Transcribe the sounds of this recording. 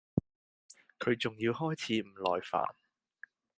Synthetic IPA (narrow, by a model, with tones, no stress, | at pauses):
kʰɵ˨˧ɥt͡sʊ˨ŋjiː˧whɔː˥jt͡sʰiː˨˧m̩˨˩lɔ̰ː˨jfa̰ː˨˩n